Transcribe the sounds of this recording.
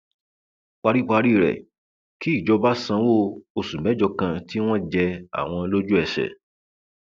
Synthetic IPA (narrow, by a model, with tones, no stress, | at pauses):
k͡pa˧ɾi˦˨k͡pa˧ɾi˦˨ɾɛ̰˨ | ki˦i˦˨d͡ʒɔ˧ba˦sã˧˦wo˦˨o˧sũ˨mɛ̃˨˦d͡ʒɔ˧kã˧ti˦w̃ɔ̃˦d͡ʒɛ˧a̰˨w̃ɔ̃˧lo˦d͡ʒu˦ɛ˧ʃɛ̰˨